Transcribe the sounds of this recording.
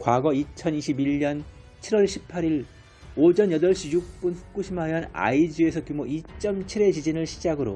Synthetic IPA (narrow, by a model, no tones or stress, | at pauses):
kwaɡʌit͡ɕʰʌniɕʰibiɭɲʌn | t͡ɕʰiɾwʌɭɕʰipʰaɾiɭ | od͡ʑʌnjʌdʌɭɕ͈ijuk̚p͈unɸu̥k̚k͈uɕʰimɦajana̰id͡ʑie̞sʰʌkjumoʔit͡ɕ͈ʌmt͡ɕʰiɾe̞t͡ɕid͡ʑinɯɭɕʰid͡ʑaɡɯɾo̰